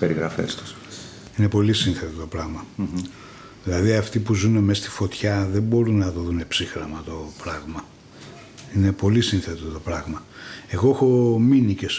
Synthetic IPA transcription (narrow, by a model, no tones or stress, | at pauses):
peɾiɣɾɐfḛst̪u̥s | ine̞po̞lisinθe̞t̪ot̪opɾɐɣmɐ | ðilɐðiɐft̪ipuzune̞me̞st̪i̥fo̞t̪çɐðe̞mbo̞ɾunɐðoðune̞psixɾɐmɐt̪o̞pɾɐɣmɐ | ine̞po̞lisinθet̪ot̪o̞pɾɐɣmɐe̞ɣoexo̞minices